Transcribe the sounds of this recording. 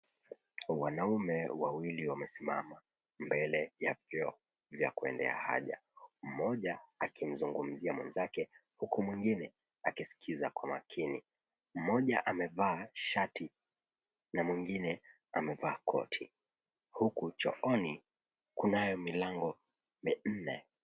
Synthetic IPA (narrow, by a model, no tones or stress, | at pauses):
wanaumɛwawiliwamɛsima̰ma | mbɛlɛjavjɔ | vja̰kuɛ̰ndɛ̰a̰ha̰ʄa̰m̩mɔʄaːkim̩zuŋɡum̩ziamwɛ̰nzakɛhukumwiŋɡinɛ | akisi̥kʰizakwamakʰini | m̩mɔʄaʔamɛvaːʃati | namwiŋɡinɛ | amɛvaːkʰɔ̰tʰi | hukut͡ʃɔ̰ʔɔni | kunajɔmilaŋɡɔ | min̩nɛ